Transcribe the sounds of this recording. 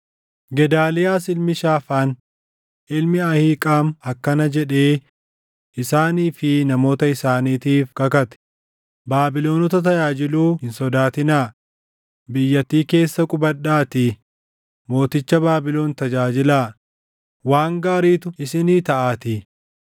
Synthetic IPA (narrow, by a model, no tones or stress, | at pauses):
ɡɛd̪aːlɪjaːsɪlmɪʃaːfaːn | ʔɪlmɪɐhiːkʼaːmɐkːɐnɐd͡ʒɛᶑeː | ʔɪsaːniːfɪnɐmo̞ːt̪ɐɪsaːniːt̪iːfkɐkɐt̪ɛ̥ | baːbɪlo̞ːnɔt̪ɐt̪ɐd͡ʒaːd͡ʒɪluːhɪnsɔd̪aːt̪ɪnaː | bɪjːɐt̪ːiːke̞ːsːɐkʼʊbɐɗaːt̪i | mo̞ːt̪ɪt͡ʃːɐbaːbɪlo̞ːnt̪ɐd͡ʒaːd͡ʒɪlaː | waːŋɡaːɾiːt̪ʊɪsɪniːt̪ɐʔaːt̪i